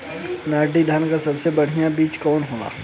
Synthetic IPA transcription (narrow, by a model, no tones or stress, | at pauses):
naːɖid̪ʱənkasɐbsebɐɽ̤ijãbiːt͡ʃkɔːnɦoːna̰ː